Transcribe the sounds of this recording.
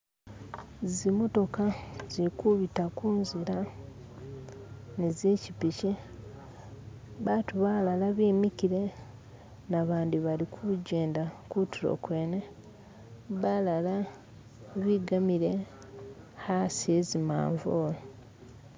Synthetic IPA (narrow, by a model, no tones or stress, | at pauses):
zimoto̞kazikuβitakuːnziɾa | nezeːcipici | βaːtuβalalaβiːmikiɾe̞ | naβaːndiβalikʰuɟe̞ːndakutiɾo̰kwe̞ːne | βalala | βiɡamiɾe̞ | hasiezima̰ːɱvoːlo